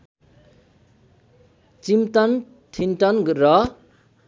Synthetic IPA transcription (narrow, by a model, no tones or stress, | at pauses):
t͡simt̪ʌn | t̪ʰinʈʌnɡrʌ